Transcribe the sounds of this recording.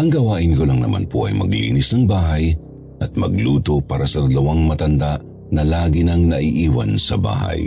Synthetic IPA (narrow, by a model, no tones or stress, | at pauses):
ʔɐŋɡɐwaːʔɪnkolɐŋnɐ̰ma̰npo̰ʔɐ̰jmɐ̰ɡlḭːnɪsnɐŋbaːɦɐj | ʔɐt̪̚mɐ̰ɡ̚luːt̪o̞paːɾɐsɐd̪ɐlɐwaŋmɐt̪ɐnd̪aʔ | nɐlaːɡinɐŋnɐʔiʔiːwɐ̰nsɐ̰ba̰ːha̰j